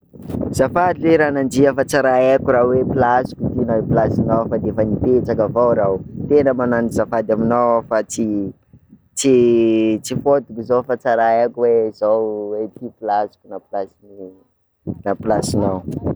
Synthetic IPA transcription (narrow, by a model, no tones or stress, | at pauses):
z̥afad̪ileɾanand͡ʒiəfat͡saɾaekʲuɾawepilasi̥kʲut̪inapilasinawfad̪efənipet͡sakavawɾawt̪enəmananizafad̪aminawafat͡si | t͡sit͡sifot̪ukizowfat͡saɾaakʲuwezawwet̪ipilasi̥kʲunapilasini | napilasinaw